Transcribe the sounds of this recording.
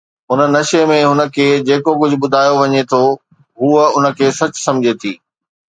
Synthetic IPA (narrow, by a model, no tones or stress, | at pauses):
ɦʊnənɐʃemẽɦʊnə̆kʰeːd͡ʑeːkok̬ʊd͡ʑʱʊ̆ɓʊd̪ʱaːjoʋɐɲet̪ʰo | ɦuːəʊnə̆kʰeːsɐt͡ɕʊ̥sɐ̃md͡ʑʱet̪ʰḭː